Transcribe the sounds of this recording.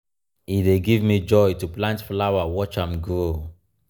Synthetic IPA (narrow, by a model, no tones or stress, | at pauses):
ideɡivmid͡ʒɔjtuplãntflawawɔt͡ʃãmɡo